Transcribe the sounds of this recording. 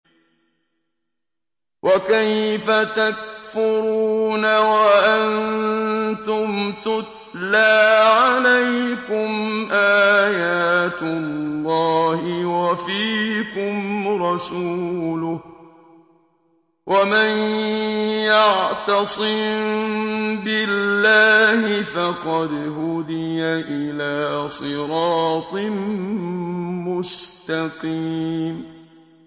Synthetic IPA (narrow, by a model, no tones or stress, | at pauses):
wʔakajfat̪ak̚fʊɾuːnawaʔan | t̪ʊmt̪ʊt̪̚ | laːʕalajkʊmʔaːjaːt̪ʊlllːɑːhɪwafiːkʊmɾˤɑsuːlʊh | wʔaman | jɑʕt̪ɑsˤɨm | bɪlːaːhɪfɑqɑd̪ɦʊd̪ɪjaʔɪlaːsˤɨɾɑːt̪ˤɨm | mʊst̪aqiːm